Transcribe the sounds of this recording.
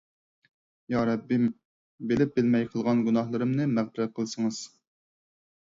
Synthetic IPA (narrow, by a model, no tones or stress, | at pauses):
jɑɾɑbim | bɪlɪp̚bɪlmɛjqʰəlˠʁɑnɡunɑhlˠɨɾɨmnɨmæʁd̪ɪɾɛqʰəlˠsɨŋɨz̥